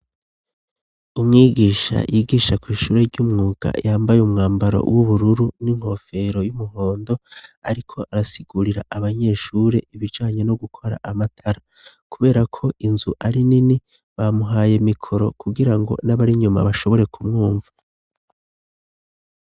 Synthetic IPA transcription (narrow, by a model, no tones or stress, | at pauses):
umŋiːɡiːʃa̰jiɡiːʃakwiːʃuːɾe̞ɾɟumŋuːɡ̥a̰jaːmbajumŋaːmbaɾo̞̰wʔuβuɾuɾuniŋ̥ho̞fe̞ɾo̞jumuɦo̞ːndo̞aɾikʰo̞ʔaɾasiɡ̥uɾiɾa̰ʔaβaɲe̞ːʃuːɾe̞ʔiβid͡ʒaːɲe̞no̞ɡukʰo̞ɾa̰ʔamatʰaɾa | kuβe̞ːɾakʰo̞ʔinzuʔaɾinini | βamuɦaːje̞mikʰo̞ɾo̞kuɡiɾaŋɡo̞̰naβaɾiɲuma̰βaʃo̞βo̞ɾe̞kʰumŋuːɱvḁ